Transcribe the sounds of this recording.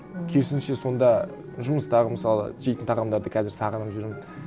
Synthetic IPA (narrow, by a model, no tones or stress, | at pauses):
kʲʰe̞ɾsɪnʃe̞so̞nd̪ɑʒʊməst̪ɑʁəməsɑlˠə̰ʒejt̪ɪnt̪ʰɑʁɑmd̪ɑɾd̪əkʲʰæzɪɾsɑʁənəpʒʏɾmɪn